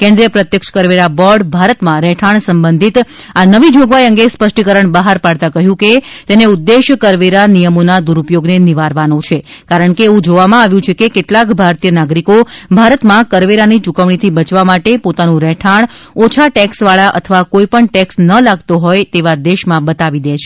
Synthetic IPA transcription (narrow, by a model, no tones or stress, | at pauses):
kɛ̃nd̪ɾijəpɾət̪jəkʃə̥kəɾʋeɾabɔɾɖbʱaɾət̪mãɾɛʈʰaɳsəmbənd̪ʱit̪anəʋid͡ʒoɡʋajə̃ŋɡespəʃʈikəɾəɳbəɦaɾpaɽt̪akəɦjũket̪eneud̪ːeʃkəɾʋeɾanijəmonad̪uɾupjoɡneniʋaɾʋanõt͡ʃʰekaɾəɳkeːʋũd͡ʒoʋamãaʋjũt͡ʃʰekekeʈlakbʱaɾt̪ijənaɡɾikobʱaɾət̪mãkəɾʋeɾanit͡ʃukəʋɳ̃it̪ʰibət͡ʃʋamaʈepot̪anũɾɛʈʰaɳ̃ | ot͡ʃʰaʈɛksʋaɭaʔə̰t̪ʰəʋakoipəɳʈɛksnəlaɡt̪oɦɔjt̪eʋad̪eʃmãbət̪aʋid̪et͡ʃʰe